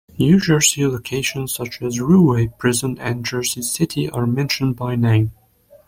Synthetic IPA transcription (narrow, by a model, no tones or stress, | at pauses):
njʉd͡ʒɜ˞siloʊkʰeɪʃɨ̃nz̥sʌt͡ʃɨzɹuweɪpʰɹ̥ɪzə̃nɨ̃nd͡ʒɜ˞sisɪɾʰiʔəɹmɛ̃nʃɨ̃nd̚baɪnẽɪ̃m